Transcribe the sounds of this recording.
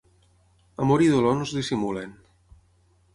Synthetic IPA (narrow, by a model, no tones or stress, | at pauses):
amoɾiðolɔnozðisimulen